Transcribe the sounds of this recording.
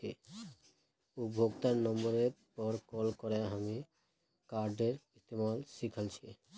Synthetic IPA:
ḭ | ubʱoɡt̪aɾnɔmbɔɾetpɔɾkɔlkɔɾeɦami | kaɾɖeɾist̪imalsikʰəlt͡ʃʰi

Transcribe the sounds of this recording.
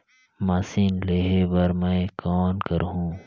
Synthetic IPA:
maːsiːnleɦebɐɾmɐ̃kɔːnkəɾɦũː

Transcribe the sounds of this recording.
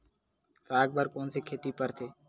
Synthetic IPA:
saːk̚bəɾkoːnseːkʰeːt̪iːpəɾt̪ʰeː

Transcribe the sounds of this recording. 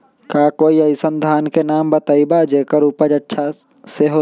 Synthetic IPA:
kaːkoːiəɪsənd̪ʱaːnkenaːmbət̪əibad͡ʒeːkəɾuːpəd͡ʒɐtːʃʰa | seɦo

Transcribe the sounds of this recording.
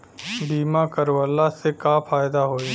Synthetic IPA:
biːmakəɾʋəlːasekafaːjd̪aɦoːi

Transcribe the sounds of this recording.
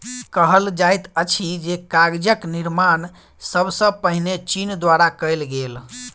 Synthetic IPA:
kəɦəld͡ʒajt̪ət͡ʃʰid͡ʒekaɡd͡ʒəkniɾman | səbsə̃pəɦinet͡ʃind̪waɾakəjlɡel

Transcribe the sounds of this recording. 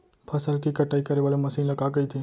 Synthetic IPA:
pʰɐsəlkikɐʈaːikɐɾeʋaːlemɐsiːnlɐɡaːɡɐit̪ʰeː

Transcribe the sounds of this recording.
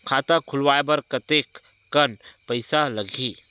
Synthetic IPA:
kʰat̪akʰʊlwaːebəɾkət̪ekː | ənpəjsaləɡʱiː

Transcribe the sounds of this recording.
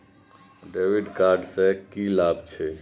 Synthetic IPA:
ɖeːʋiɖkaɾɖsẽkilaːbt͡ʃʰe

